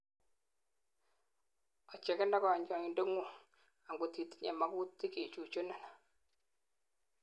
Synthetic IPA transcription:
ɔ˨t͡ʃɛ˨kɛ˦nda˦kɔ˨ɲd͡ʒɔ˨ŋi˨ndo˦ŋu˦˨ | a˨ŋɡo˨ti˨ti̥˦ɲɛ̰˨ma˦ku˦ti˦ke˨t͡ʃu˨t͡ʃo˦na˨na˨

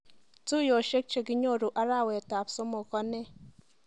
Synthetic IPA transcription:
tu˦jo˨ʃe˦k̚t͡ʃe˨ɡi˦ɲo˦˨ɾu˨ʔa˦ɾa˦˨we˨ta˨pso˦mo˨kɔ˦ne˦˨

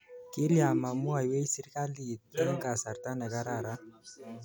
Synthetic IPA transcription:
ki˦ɾi˦a˨ma˨mu˦a˨jwe˦jsi˦ɾka˦li˦˨dɛ˦ŋɡa˨sa˨ɾt̪a˦na˨ɡa˦ɾa˦˨ɾa˦

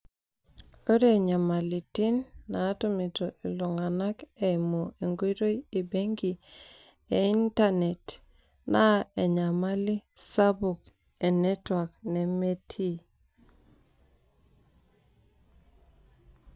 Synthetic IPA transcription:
o˦ɾe˦˨ɲa˨ma˨li˨ti˦nːa˨˦tʊ˦mi˨to˨ʔi˨lo˨ŋa˨na˦ke˨mo˨e˨ŋɡwe˦ɾo˦je˨be˦ŋɡi˨ | e˨i˦nta˦ne˨t | na˦ɛ˨ɲa˨ma˦li˦ | sa˦bu˨k | e˨nɛ˦twa˨knɛ˨me˦tʰi˦

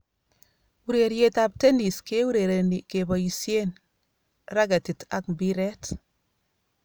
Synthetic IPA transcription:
u˨ɾe˨ɾje˦tap̚te˦ni˨ske˦u˦ɾe˨ɾe˨ni˨kebɔ˨i˨sje˦n | ra˦ɡa˨ti˨ta̰˨k̚mbiɾɛ˦t

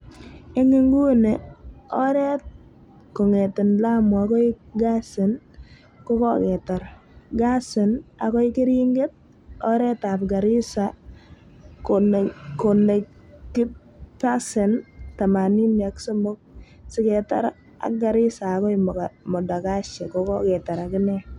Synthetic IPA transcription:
e˦ŋɪ˦ŋɡu˦neɔ˦ɾɛ˦t̚ | ko˨ŋe˨tɪ˨nla˦m˨a˨kɔ˦ɪɡa˦se˨n | kɔ˦kɔ̰kɛ˨ta˨ɾ | ɡa˦sɪ˨na̰˨kɔ˦ɪ˦kɪ˦ɾi˦ŋɡe˦t̚ | ɔ˦ɾɛ˦ta˨p̚ɡa˨ɾɪ˦sa | kokone˨kɪ˦ | pa˦sɛ˨nta˨ma˨ni˦ni˨a˦kso˦mo˦k̚ | sɪkɛ˨ta̰˦ɾ | a̰˨k̚ɡa˨ɾɪ˦saː˨kɔ˦ɪmmɔ˨da˨ka˦ʃɛ˨kɔkɔ˦kɛ˨ta˨ɾa˨kɪ˦nɛ

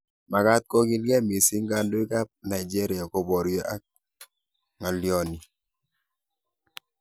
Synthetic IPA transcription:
ma˨ka˦t̚ko˦ki˦nkɛ˦mi˨si˦ŋɡa˦ndo˦i˦ka˦p̚na˨i˨d͡ʒɛ˦ɾɪ˨a˨ko˨bɔ˨ɾjɔ˦ʔa˦k̚ | ŋa˨ljɔ˨˦ni˨

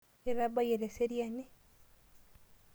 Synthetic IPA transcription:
e˨ɾaba˦je˨ɾe˨se˦ɾijane˦

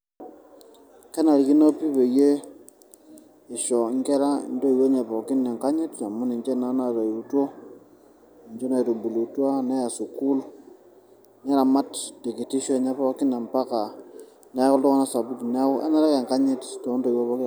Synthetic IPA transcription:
kɛ˦na˨ɾi˨ki˦no˦pi˦pe˨je˦ | ɪ˨ʃɔ˨˦ŋkɛ˦ɾa˦˨ndo˦i˨we˦ɲɛ˨pɔ˨kɪ˦nɛ˨ŋka˦ɲɪ˦tja˨mʊ˦ni˨nt͡ʃe˦na˦na˨to˨i˨ɾu˨to˦˨ | nd͡ʒo˦na˨i˨to˨bu˨lu˨twa˦nɛ˦ja˨su˨ku˦l | nɛ˦ɾa˨ma˦tde˨ki˨ti˦ʃɔ˦˨ɲa˦pɔ˦kɪ˦na˨mpa˦ka˨ | nɛ˨˦kɔ˦ltɔ˦ŋa˦na˦sa˨bu˦ti˨nɛ˦ʔa̰˦na˦ɾa˦ke˨ŋka˦ɲɪ˦tto˨˦ndo˦i˨wo˦βɔ˦k

